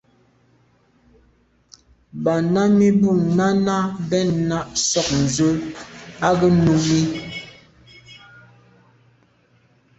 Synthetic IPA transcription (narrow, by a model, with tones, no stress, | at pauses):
ba˨na˦mi˦bu˦˨ŋna˦na˦bɛ˦˨nna˦˨ʔsɔ˦k̚n̩˨zə˦a˦ɡə˦nu˦mi˦